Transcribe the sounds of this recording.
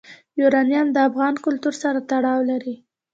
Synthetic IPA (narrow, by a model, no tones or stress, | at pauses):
juɾɑnjɑnd̪əafɣɑnkʊlt̪uɾsaɾat̪aɽɑwlaɾi